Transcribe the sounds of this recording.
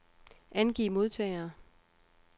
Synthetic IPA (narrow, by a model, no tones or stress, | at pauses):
ʔænɡ̥ḭːmo̝ðˠt͡sʰɛ̰ːɪɐː